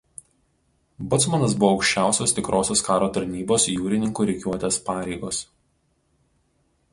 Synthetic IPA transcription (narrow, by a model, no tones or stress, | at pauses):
bʊt̪smɐnɐs̬bʊʋɔːʊkʃʲt͡ʃʲæˑʊsʲoːst̪ʲɪkɾʔoːsʲoːskɑːɾoːt̪ɐɾʲnʲiːboːsjuːɾʲɪnʲɪŋkuːɾʲɛɪkʲuɔt̪ʲeːspɑːɾʲɛɪɡoːs